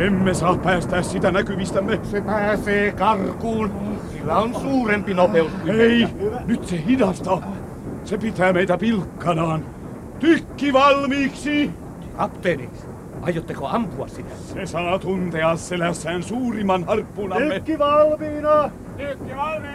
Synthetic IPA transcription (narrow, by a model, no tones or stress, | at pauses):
emmesɑːppæːst̪æːssit̪ænækyʋist̪æmːesepæːseːkɑrkuːnsilːæonsuːrempinopeusk̪uieinyt̪sehidɑst̪ɑ | sepit̪æːmeit̪æpilkːɑnɑːn | t̪ykːiʋɑlmiːksi | kɑpt̪eːnḭks | ʔɑ̰jot̪ːeko̰ɑmpuɑ̰ssit̪æsesɑːt̪unt̪eɑsselæsːæːnsuːrimɑnhɑrpːunɑymekːiʋɑlmiːnɑ | t̪ykːiʋɑli